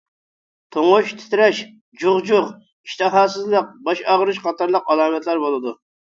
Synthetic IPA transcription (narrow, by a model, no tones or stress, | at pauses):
t̪ʰoŋʊʃt̪ʰɪ̥t̪ɾɛʃ | d͡ʒuʁd͡ʒʊʁ | i̥ʃt̪ʰɨɦɑːsɨzlˠəq̚bɑʃɑʁəɾɨʃqʰɑt̪ʰɑɾlˠəqɑlˠɑːmɛt̪ʰlæɾbolˠɨd̪u